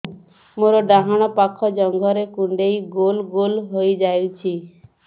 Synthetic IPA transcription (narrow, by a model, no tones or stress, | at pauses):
moɾɔɖaɦaɽ̃ɔpakʰɔd͡ʒɔŋɡʱɔɾekuɳɖejɡolɡolɦojd͡ʒajut͡ʃʰi